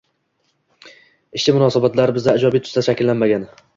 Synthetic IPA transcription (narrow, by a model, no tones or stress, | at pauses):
ɪʃt͡ʃɪmʊnɒːsabat̪laɾɪbɪzd̪aɪd͡ʒɒbit̪ʰʊ̥st̪aʃakʲɪlːanmaɡʲan